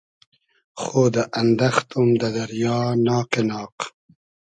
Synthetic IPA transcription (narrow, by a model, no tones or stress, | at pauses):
xoːd̪ɐʔɐnd̪ɐxt̪umd̪ɐd̪ɐɾjɑːnɑːqenɑːq